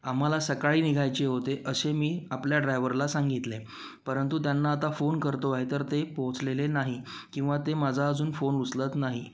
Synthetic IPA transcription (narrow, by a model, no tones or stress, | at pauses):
am̤alasəkaɭiːniɡʱajt͡ɕeɦot̪eʔəɕemiːapljaɖɾajʋəɾlasaŋɡit̪le | pəɾənt̪ut̪janːaːt̪afonkəɾt̪oaɦit̪əɾt̪epõɦt͡slelenaɦi | kĩw̃ʋat̪emad͡zʱaːd͡zuːnfonuslət̪naɦi